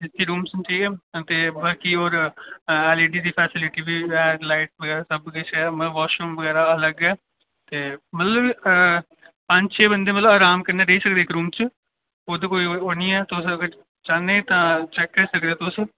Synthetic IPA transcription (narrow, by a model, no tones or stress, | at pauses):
ɪt̪ʰːiːɾuːmsəʈʰiːkɛːt̪eːbəːkiːɔːɾ | ɛːleːɖiːd̪iːpʰɛːsɪlɪʈiːbiːɛːlaːɪʈ̚ʋəɡɛːɾaːsəbket͡ʃɛːməəʋaːʃəmʋəɡɛːɾaːələɡɛː | t̪eːmət̪ləb | pə̃ɲd͡ʒt͡ʃʰeːbənd̪eːmət̪ləbaːɾaːmkəɾneːɾəiːsək̚d̪eːɪkɾuːmt͡ʃ | od̪ekoːiːoːnĩːɛːt̪ʊsəɡəɾ | t͡ʃaːneːt̪ãːt͡ʃɛːkːəɾiːsəkd̪ẽːt̪ʊs